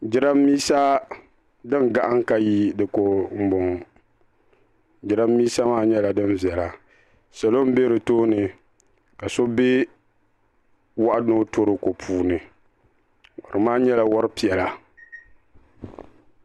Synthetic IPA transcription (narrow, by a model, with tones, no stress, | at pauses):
d͡ʒɪ˦ɾa˦mːiː˦sa˦ | dɨ˦nɡa˨ʔa˦ŋka˦ji˦dɨ˨ko˨m̩˦bo˨ŋ˨ | d͡ʒɪ˦ɾa˦mːiː˦sa˦maː˦ɲɛ˦la˨dɨ˦nvi˨ɛ˨la˨ | sa˨lo˦m˦be˦ɾɨ˨toː˦nɨ˨ | ka˨so˦be˦ | wa˦ʔa˦no˦tʰo˦ɾɨ˨ko˨pʰuː˦nɨ˨ | ɔ˨ɾɨ˨maː˦ɲɛ˦la˨wɔ˦ɾɨ˦pi˨ɛ˨la˨